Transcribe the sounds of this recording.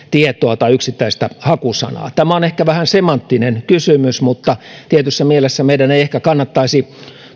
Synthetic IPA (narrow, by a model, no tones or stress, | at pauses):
t̪iet̪ˑoɑt̪ɑiyksit̪ːæist̪æhɑkusɑ̰nɑ̰ːt̪æmæonehkæʋæhænsemɑnt̪ːinenkysymysmut̪ːɑt̪iet̪ysːæmielesːæmeidæneiehkækɑnːɑt̪ːɑisi